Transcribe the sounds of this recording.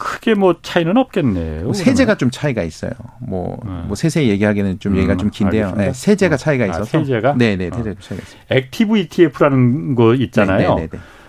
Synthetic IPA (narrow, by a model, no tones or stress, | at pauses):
kʰɯɡ̥e̞mwʌt͡ɕʰainɯnʌp̚k͈e̞nːḛjoosʰe̞d͡ʑe̞ɡat͡ɕomt͡ɕʰaiɡais͈ʌ̰jo̰mwʌ̰mwʌsʰe̞sʰe̞je̞ɡiɦaɡenɯnt͡ɕomjeɡiɡat͡ɕomkinde̞jonesʰe̞d͡ʑe̞ɡat͡ɕʰaiɡais͈ʌsʰod͡ʑeɡane̞ne̞sʰed͡ʑeɡaomt͡ɕʰaiɡa̰is͈ek̚tʰibuitʰiepʰuɾanɯnɡʌit̚t͡ɕ͈anajone̞̰ne̞